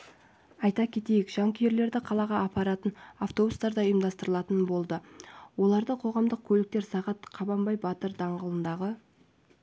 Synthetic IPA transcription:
ɑjt̪ɑkʲʰe̞t̪e̞jɪkʒ̥ɑŋkʲʰʏje̞ɾle̞ɾd̪ɪqʰɑlˠɑʁɑːpɑɾɑt̪ənaft̪o̞bust̪ɑɾd̪ɑəjəmd̪ɑst̪əɾəlˠɑt̪ənbo̞lˠd̪əwo̞lˠɑɾd̪əqʰo̞ʁɑmd̪əq̚kʲʰɵlɪk̚t̪e̞ɾsɑʁɑt̪qʰɑbɑmbɑjbɑt̪əɾd̪ɑɴʁəlˠənd̪ɑʁə

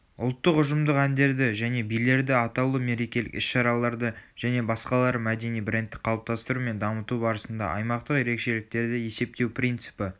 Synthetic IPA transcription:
ʊ̰lˠt̪ːəqʊʒəmd̪əqænd̪e̞ɾd̪ɪʒæne̞bijle̞ɾd̪ɪɑt̪ɑwlˠəme̞ɾe̞kʲe̞lɪ̰kɪ̰sʃɑɾɑlˠɑɾd̪əʒ̥æne̞bɑsqɑlˠɑɾəmæd̪e̞nijbɾʲent̪ːɪk̚qʰɑlˠəp̚t̪ɑst̪əɾume̞nd̪ɑmət̪ubɑɾəsənd̪ɑ̰ʔɑ̰jmɑqt̪əqje̞ɾe̞kʃe̞lɪk̚t̪e̞ɾd̪ɪje̞se̞p̚t̪e̞wpʰɾʲijnt̪sɨ̥pɪ

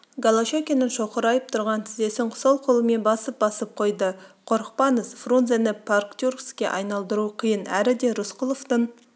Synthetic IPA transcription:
ɡalˠaʃokʲenənʃoqəɾɑjəp̚t̪ʰʊɾʁɑnt̪ʰɪzd̪e̞sɪɴqʰsɑlˠqʰʊlˠəme̞nbɑsəp̚bɑsəp̚qʰo̞jd̪əqʰo̞ɾəq̚pɑnəsfrunzenɪpʰarkt̪ʲurkskʲe̞ʔɑjnɑlˠd̪əɾuqʰəjənæɾɪd̪e̞ɾʊsqʰʊlˠoft̪əɴ

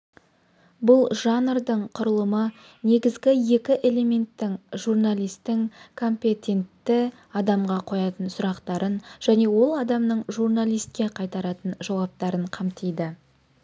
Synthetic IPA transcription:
bʊlˠʒɑnrd̪əɴqʰʊɾəlˠəmə | ne̞ɡʲɪzɡʲɪje̞kʲɪʔe̞le̞me̞nt̪ːɪŋʒurnalijst̪ːɪŋkʰo̞mpʲe̞t̪ʲe̞nt̪ːɪ | ɑd̪ɑmʁɑqʰo̞jɑt̪ənsʊɾɑqt̪ɑɾənʒ̥æne̞wo̞lˠɑd̪ɑmnəɴʒurnalˠijst̪̚kʲe̞qʰɑjt̪ɑɾɑt̪ənʒɑwɑp̚t̪ɑɾəɴqʰɑmt̪ijd̪ɪ

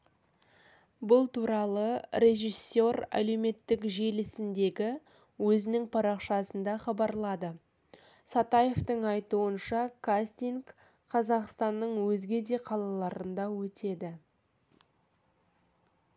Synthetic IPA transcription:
bʊlˠt̪uɾɑlˠəɾʲe̞ʒijsːo̞ɾæ̰le̞wme̞t̪ːɪkʒe̞lɪsɪnd̪e̞ɡʲɪ | wɵzɪnɪŋpʰɑɾɑqʃɑsənd̪ɑχɑbɑɾlˠɑd̪ə | sɑt̪ɑje̞ft̪əɴɑjt̪uənʃɑkʰast̪iŋk | qʰɑzɑqst̪ɑnːəɴwɵzɡʲe̞d̪e̞qʰɑlˠɑlˠɑɾənd̪ɑwɵt̪ʰe̞d̪ɪ

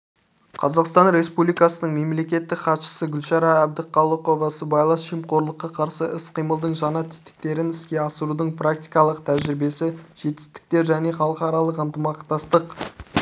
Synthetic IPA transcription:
qʰɑzɑqst̪ɑnɾe̞spublijkɑsənəɴme̞mle̞kʲe̞t̪ːɪkχɑt̪ʃə̥səɡʲʏlʃɑɾɑæb̚d̪ɪqʰɑlˠəqo̞vɑsəbɑjlˠɑsʃijmqo̞ɾlˠəqːɑqʰɑɾsəʔɪsqʰijməlˠd̪əɴʒɑnɑt̪ʰɪ̥t̪ɪ̥k̚t̪e̞ɾɪnɪskʲe̞ɑsəɾud̪əɴprak̚t̪ijkɑlˠəqt̪ʰæʒɪɾɪbe̞sɪʒ̥e̞t̪ɪ̥st̪ɪ̥k̚t̪e̞ɾʒæne̞χɑlˠəqɑɾɑlˠəqənt̪əmɑqt̪ɑst̪əq

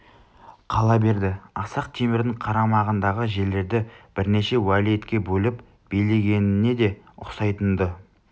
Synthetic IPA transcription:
qʰɑlˠɑbe̞ɾd̪ɪɑsɑqt̪ʰemɪɾd̪ɪɴqʰɑɾɑmɑʁənd̪ɑʁəʒe̞lːe̞ɾd̪ɪb̥ɪɾne̞ʃe̞wælije̞t̪kʲe̞bɵlɪp | b̥e̞jle̞ɡʲe̞nɪnːe̞d̪e̞ | ʊ̰qsɑjt̪ənd̪ə

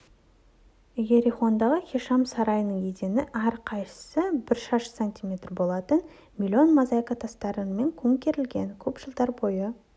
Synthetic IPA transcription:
ɡʲeɾiχo̞nd̪ɑʁəχʲiʃɑmsɑɾɑjnəɴed̪e̞nɪʔæɾqʰɑjʃə̥səbɪɾʃɑʃsanʲt̪ʲimʲe̞t̪rbo̞lˠɑt̪ən | mʲilʲio̞nmɑzɑjkat̪ʰɑst̪ɑɾənme̞ŋkʲʰɵŋkʲe̞ɾɪlɡʲe̞̰nkʲʰɵpʒ̥əlˠd̪ɑɾbo̞jə

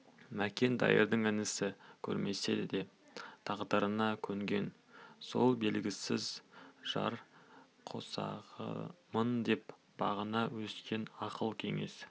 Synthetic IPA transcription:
mækʲe̞nd̪ɑ̰jə̰ɾd̪əŋɪnɪsɪkʲʰɵ̰ɾme̞se̞d̪d̪e̞ | t̪ʰɑʁd̪əɾənɑkʲʰɵŋɡʲe̞n | so̞̰lˠbe̞lɡʲɪsɪzʒ̥ɑ̰ɾ | qʰo̞̰sɑ̰ʁə̰mənd̪e̞p | b̥ɑʁənɑwɵskʲe̞nɑqəlˠkʲʰe̞̰ŋe̞s

